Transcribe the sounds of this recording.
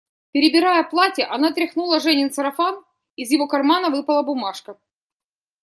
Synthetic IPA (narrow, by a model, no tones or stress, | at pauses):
pʲɪɾʲɪbʲɪɾajəplˠatʲɪʔɐnat̪ɾʲɪxnulˠəʐɛnʲɪnsɐɾɐfan | ɪzjɪvo̞kɐrmanəvɨpəlˠəbʊmaʂkə